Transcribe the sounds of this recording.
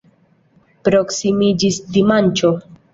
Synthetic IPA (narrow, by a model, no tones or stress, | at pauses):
pɾo̞ksimid͡ʒisdimant͡ʃo̞